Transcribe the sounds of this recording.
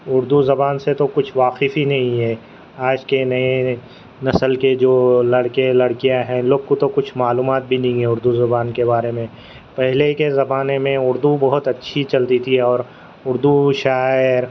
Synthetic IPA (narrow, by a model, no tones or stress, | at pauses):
ʊɾd̪uzɐbaːnset̪okʊt͡ʃʰʋaːqɪfinɐɦĩɦɛ | aːd͡ʒkenɐe | nɐsəlked͡ʒoːlɐɽkelɐɽkijaɦɛ̃loːɡ̚kot̪okʊt͡ʃʰmaːluːmaːt̪̚bʱinɐɦĩɛ̃ʊɾd̪uzɐbaːnkebaːɾemẽ | pɛɦlekezɐbaːnemẽʊɾd̪ubɐɦʊt̪ɐtːʃʰit͡ʃɐlt̪it̪ʰiɛɔːɾ | ʊɾd̪uʃaːɪɾ